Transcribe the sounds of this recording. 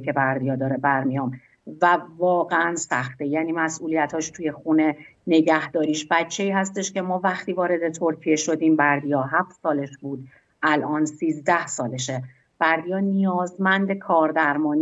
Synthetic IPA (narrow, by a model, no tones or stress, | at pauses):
kʰe̞bæɾd̪ijɒːd̪ɒːɾebæɾmijɒːm | vævɒːɣeʔænsæxt̪e̞jæːniːmæsʔuːlijæt̪ʰhɒːʃt̪ʰuːje̞xune̞ne̞ɟæhd̪ɒːɾiːʃbæt͡ʃʰːe̞iːhæst̪e̞ʃce̞mɒːvæxt̪ʰiːvɒːɾe̞d̪e̞t̪ʰo̞ɾcʰije̞ʃo̞d̪iːmbæɾd̪ijɒːɦæft̪sɒːle̞ʃbuːd̪̚ | ʔælʔɒːnsiːzd̪æhsɒːleʃe | b̥æɾd̪ijɒːnijɒːzmænd̪ekʰɒːɾd̪æɾmɒːni